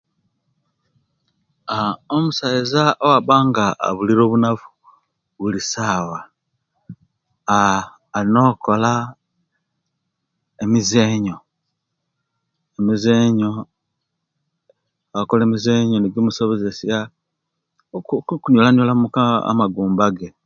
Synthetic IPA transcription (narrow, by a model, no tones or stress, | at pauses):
aomusaizaʔowaβaːŋɡa̰ːβuliɾo̞ːβunafu̥ | βulisaːwa | lino̞kola | emizeːɲo̞ | emizeɲo̞ | akole̞mize̞ːɲoniɡimuso̞βo̞ze̞sja | kuɲolaɲjolamuka̰maɡuːmbaɡe̞